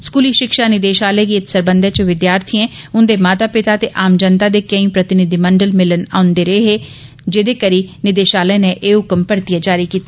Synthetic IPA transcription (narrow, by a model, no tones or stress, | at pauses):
skuːliːʃɪkʃaːnɪd̪eːʃaːləːɡiːɪt̪səɾbə̃nd̪ʱet͡ʃəʋɪd̪jaːɾt̪ʰiɛ̃ː | ʊnd̪eːmaːt̪aːpɪt̪aːt̪eːʔaːmd͡ʒənt̪aːd̪eːkəĩːpɾət̪ɪnɪd̪iməɳɖəlmɪləna̰ːʊ̃nd̪eːɾəeɦeː | d͡ʒɪd̪eːkəɾiːnɪd̪eːʃaːlənẽʔeːɦʊkəmpəɾt̪ɪjad͡ʒaːɾikiːt̪a